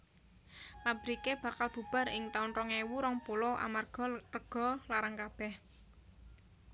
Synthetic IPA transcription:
pab̥əɾikeb̥ä̤kalb̥ṳb̥a̤ɾɪŋt̪aunrɔŋewuɾɔŋpolɔʔa̰marɡ̥ɔ̤rəɡ̥ɔ̤laɾaŋkab̥ɛh

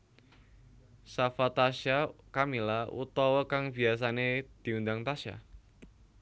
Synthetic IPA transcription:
safat̪aʃakamilaṵt̪ɔwɔkaŋb̥ias̬aned̪̥i̤und̪aŋt̪aʃa̰

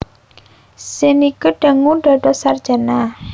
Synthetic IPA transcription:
senikəɖ̥a̤ŋuɖ̥ɔɖ̥ɔ̤sard̥d͡ʒ̥a̤na

